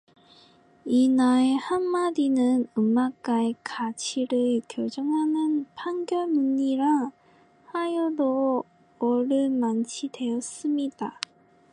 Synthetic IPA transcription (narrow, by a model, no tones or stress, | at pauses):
inaehamːadinɯnɯmːak̚k͈aekat͡ɕʰiɾɯɭkjʌd͡ʑʌŋɦanɯnpʰaŋɡjʌnuɲːiɾa | hajodo | ʌɾɯɭmant͡ɕʰide̞ʌs͈ɯmɲida